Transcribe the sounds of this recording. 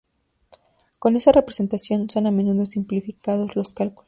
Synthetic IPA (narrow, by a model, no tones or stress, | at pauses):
ko̞ne̞sare̞pɾese̞nt̪asjo̞nso̞name̞nuðo̞simplifikað̞o̞zlo̞skalkulos